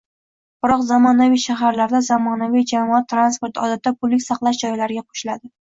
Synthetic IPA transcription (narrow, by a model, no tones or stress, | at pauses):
b̥ɪɾɒqzamɒnavijʃaɦaɾlaɾd̪azamɒnavijd͡ʒamɒɒt̪ʰːɾanspoɾt̪ʰɒd̪at̪ʰːapʰʊlːɪkʲsɑqlˠaʃd͡ʒɒjlaɾɪɡʲaqʰo̥ʃɪlad̪ɪ